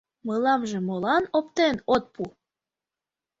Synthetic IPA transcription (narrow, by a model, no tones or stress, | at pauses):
mɤlɑmʒĕmolɑnopt̪enot̪̚pu